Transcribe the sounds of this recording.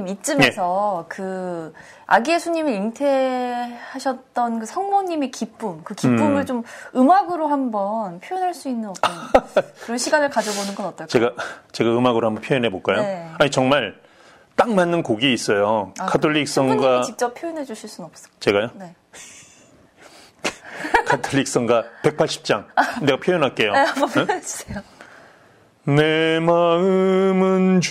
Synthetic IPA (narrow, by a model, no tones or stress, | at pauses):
mit̚t͡ɕ͈ɯmesʰʌkɯ | a̰ɡiesʰuɲimɯɾintʰe | haɕʰʌt̚t͈ʌnkɯsʰʌŋmoɲime̞kip͈umkɯkip͈ːumɯɭt͡ɕomɯmaɡɯɾohambʌnpʰjojinɦaɭs͈uinːɯnʌonkɯɾʌnɕʰiɡanɯɭkad͡ʑʌbonɯnɡʌnʌt͈̚ʌt͡ɕeɡat͡ɕeɡaɯmaɡɯɾohambʌnmpʰjojnɦeboɭk͈ajoaɲit͡ɕʌŋmaɭ | t͈aŋmanːɯnkoɡiis͈ʌjoakʰattʰoʎːik̚s͈ʌŋɡat͡ɕik̚t͡ɕ͈ʌpʰjojʌnɦed͡ʑuɕʰiɭs͈unnʌp̚s͈ʌ̥t͡ɕe̞ɡajone | kʰatʰoʎːik̚s͈ʌŋɡape̞k̚pʰaɭɕ͈i̥p̚t͡ɕ͈aŋne̞ɡapʰjojʌnɦak͈e̞jo | i̥eo | ne̞maɯmɯn